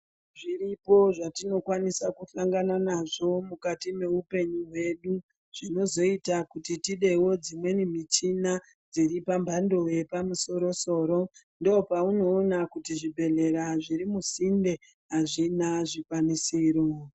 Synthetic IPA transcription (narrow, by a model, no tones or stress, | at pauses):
ʐiripo̞ʐatino̞kwanisakuɬaŋɡananaʐo̞mukatime̞upe̞ɲuɦwe̞ɗu | ʐ̥ino̞zo̞itakutitiɗe̞wo̞d͡zimwe̞nim̤it͡ʃina | d͡ziɾipambʱando̞je̞pamuso̞ɾo̞so̞ːɾo̞ | ndoopauno̞ːnakutiʐibʱe̞ɮe̞ɾaʐiɾimusinde̞ | ɦaʐinaʐikwanisiːɾo